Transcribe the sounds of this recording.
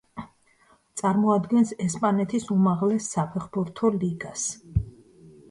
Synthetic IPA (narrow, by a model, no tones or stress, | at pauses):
t̪sʼaɾmɔad̪ɡɛnsɛspʼanɛt̪ʰisumaʁlɛsːapʰɛχbuɾt̪ʰɔliɡas